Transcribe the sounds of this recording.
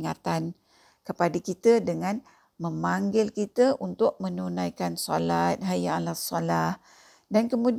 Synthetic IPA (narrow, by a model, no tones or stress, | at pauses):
ŋat̪an | kəpadəkit̪ədəŋãn | məmaŋɡɪlkit̪əʔunt̪ʊʔ̚mə̃nunajkansɔlat̪̚ɦajaːlasɔlah | dankəmũd